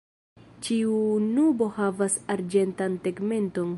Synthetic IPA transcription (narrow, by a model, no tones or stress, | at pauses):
t͡ʃiunubo̞havasaɾd͡ʒe̞ntanteɡme̞nto̞n